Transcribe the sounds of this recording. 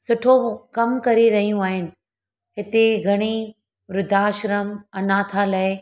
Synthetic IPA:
sʊʈʰokɐmkɐɾiɾɐɦijũaːɦɪnɪ̆ | ɦɪt̪eɡʱɐɽ̃i | ʋɾʊd̪ʱaːʃɾəmɐnaːt̪ʰalɐɪ

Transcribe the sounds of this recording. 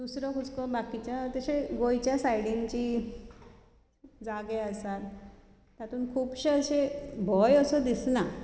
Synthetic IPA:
d̪usɾɔkʰut͡skɔbakit͡ɕjat̪əɕeɡojt͡ɕjasajɽint͡ɕi | d͡zaɡeəsat̪ | t̪ːat̪uːnkʰuːpɕeəɕebʱɔjəsəd̪isna

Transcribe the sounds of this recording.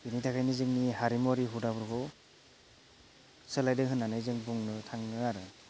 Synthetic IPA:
initʰakʰajnizɯŋniɦaɾimɔɾiɦudabɯɾɡɔw | sɯlajdɯŋɦɯnːanɯjzɯŋbuŋnɯtʰaŋɯaɾɯ

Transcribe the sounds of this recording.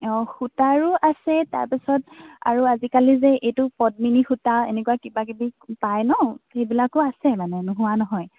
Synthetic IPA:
ɔxutaɹʊʔasɛta̰ɹpisɔta̰ɹuazikalizɛʔejtʊpɔd̚minixutaḛnekuwakibakibipajnɔxejbilakʊasɛmanɛnʊɦʊwanɔɦɔj

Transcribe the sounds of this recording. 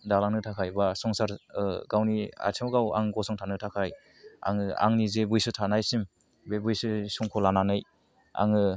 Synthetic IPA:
dalanɯtʰakʰajbasɔŋsaɾɡawnia̰tʰɯmɡawa̰ŋɡɔsɔŋtʰanɯtʰakʰaj | a̰ŋɯa̰ŋnizebujsɯtʰanajsim | bebujsɯsuŋkʰɔlananɯj | a̰ŋɯ

